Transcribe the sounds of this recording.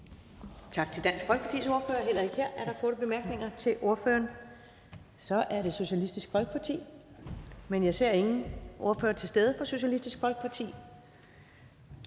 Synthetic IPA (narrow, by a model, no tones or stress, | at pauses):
t͡sʰɑ̈ɡ̥̚t͡sʰe̝ld̥æn̰sɡ̥fɒlɡ̥əpʰɑ̈t͡sʰḭːso̝ɐføːɐɦel̰ɐe̝ɡ̥heɐ̰ʔæɐɾ̥ɑ̈kʰɔːɾəb̥e̝mæɐɡ̥ne̝ŋɐt͡sʰe̝lʔo̝ɐfø̰ːɐn | sɒ̽ʔæɐɾe̝so̝ɕælisd̥isɡ̥fɒ̽lɡ̥əpʰɑ̈t͡sʰḭː | menjɑ̈ɪse̝ɐ̰e̝ŋn̩ʔo̝ɐføːɐt͡sʰe̝lsd̥eð̞ˠəfɒ̽so̝ɕælisd̥isɡ̥fɒlɡ̥̚pʰɑ̈t͡sʰḭː